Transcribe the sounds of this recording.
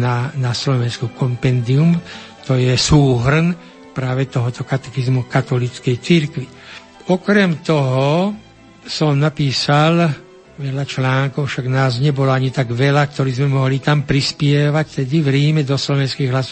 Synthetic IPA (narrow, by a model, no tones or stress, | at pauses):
nanaslɔʋɛnskukɔmpɛnd̪ium | t̪ɔjɛsuːɦr̩n | pɾaːʋɛt̪ɔɦɔt̪ɔkat̪ɛxizmukat̪ɔlit͡skɛjt͡siɾkʋi | ɔkɾɛmt̪ɔɦɔ | sɔmnapiːsal | ʋɛʎat͡ʃlaːŋkɔʊfʃaɡnaːzɲɛbɔlɔaɲit̪aɡʋɛlakt̪ɔɾiːzmɛmɔɦlit̪ampɾispɪɛʋact̪ɛd̪iʋɾiːmɛd̪ɔslɔʋɛnskiːɣɦlas